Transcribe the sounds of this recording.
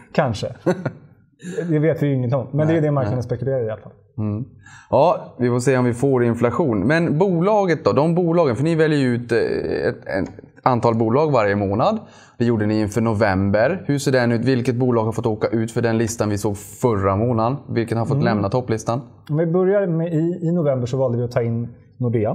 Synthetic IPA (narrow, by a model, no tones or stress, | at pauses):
kʰanʂə | d̪ɛveːt̪vɪjʏɪŋːənt̪ʰɪŋmmːɛnd̪ɛjʏd̪ɛmankʰand̪spɛkɵleːɾaɪalfa̰l̩ | ɑːvɪfosɛːjːaɔmvɪfoːɾɪnflaɧuːnmɛnbuːlɑːɡət̪̚d̪ɔd̪ɔmbuːlɑːɡənfəɳɪvɛljəjʉ̟ːt̪ɛ̰t̪ɛ̰ | ant̪ʰɑːlbuːlɑːɡvaɾjəmoːnad̪ | d̪̥ɛjuːɖənɪɪnfœːɳʊvɛmbəɾhɵseːɖɛnʉːt̪vɪlkət̪̚buːlɑːɡhaɾfɔt̪ːoːkaʔʉ̟ːt̪fœɖɛnlɪst̪anvɪsoːɡfœɾamoːnanvɪlkətnhaɾfɔt̪lɛmnat̪ʰɔpːlɪst̪an | ɔmvɪbœɾjamɛɪːnʊvɛmbəʂɔvɑːld̪əvɪɔt̪ʰɑːɪnː | ʊɖea